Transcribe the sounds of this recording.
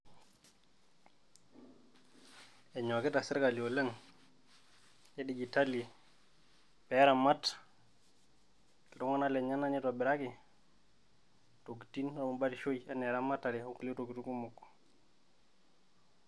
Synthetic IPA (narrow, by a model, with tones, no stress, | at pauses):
ɛ˨ɲo˨ki˦ta˨si˦ɾka˨li˨o˨le˦ŋ | e˦ɗi˨ɡi˨ta˦li˨ | pɛ˨ɾa˨ma˦t | dɔ˦ŋɔ˦na˦le˨ɲa˦na˦ni˦to˨bi˨ɾa˦ki˨ | to˨ɡi˨ti˦no˨u˨ɓa˦ɾi˨ʃo˦i˨ɛ˦ne˨ɾa˦ma˦tːa˨ɾi˨u˦ku˦li˦to˨ɡi˨tu˦ku˦mu˨kːo̥˨